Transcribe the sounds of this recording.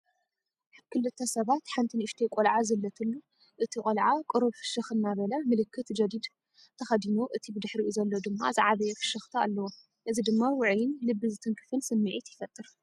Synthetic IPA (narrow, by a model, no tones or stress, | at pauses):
aβkʰɨlɨt̪ʰːɐsɐβat̪ħant̪ʰinɨʃt̪ʰekʼolʕazɨlːɐt̪ʰɨnːu | ʔɨt̪ʰikʼolʕakʼɨɾuβfɨ̥ʃɨxɨnːaβɐlɐmɨlɨkʰːɨt̪d͡ʒɐd̪id̪ | t̪ʰɐxɐd̪inoʔɨt̪ʰibɨd̪ɨħɾiʔuzɐlːod̪ɨmːa̰zɨʕaβɐjɛfɨ̥ʃɨxt̪ʰaalːɐwo | ʔɨzid̪ɨmːawʊʕjɪnlɨbːɨzɨt̪ʰɐŋkʰɨ̥fɨnsɨmːiʕit̪jɪfɐt̪ʼːɨɾ